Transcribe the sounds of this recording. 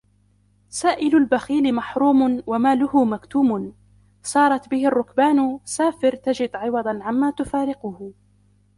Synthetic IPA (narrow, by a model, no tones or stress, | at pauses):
saːʔɪlʊlbaxiːlɪmaħɾuːmʊnwamaːlʊhʊmakt̪uːmʊn | sˤɑːɾˤɑt̪bɪhɪrˤːʊkbaːnsaːfɪɾt̪ad͡ʒɪd̪ʕɪwɑd̪ˤnʕamːaːt̪ʊfaːɾɪqʊh